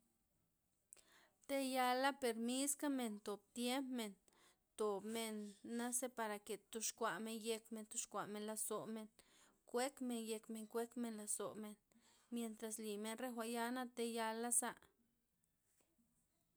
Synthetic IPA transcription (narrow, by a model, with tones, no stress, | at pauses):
t̪e˦ja˧la˦pe˨ɾmi˦ska˦me˨nt̪o˨b̚t̪je˦mpme˨n | t̪o˨bme˧nːa˦se˦pa˧ɾa˨ke˨t̪u˧ʃkʷa˨me˧nje˧kme˧nt̪o˧˦ʃkʷa˨me˧nla˧so˨me˧nkʷe˦kme˧nje˧kme˧ŋkʷe˦kme˧nla˧so˨me˨n | mje˨nt̪ɾa˨sli˨me˧nre˦xʷa˨ja˦na˦t̪e˧ja˧la˦sa˦